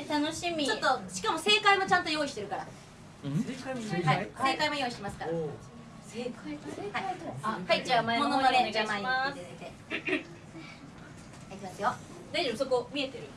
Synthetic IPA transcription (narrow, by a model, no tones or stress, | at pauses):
t̪anoɕimʲit͡ɕot̪ːoɕi̥kamose̞ːkaimo̞t͡ɕãnt̪ojo̞ːiɕi̥t̪e̞ɾɯ̟kaɾa̰ | aiseːkaimojo̞ːiɕi̥t̪e̞masɨ̥kaɾa | sehaihait͡ɕaamamonoomed͡ʑamaimast̪e | ikʲimasɨjo | d̪aid͡ʑoso̞koːmʲie̞t̪eɾɯ̟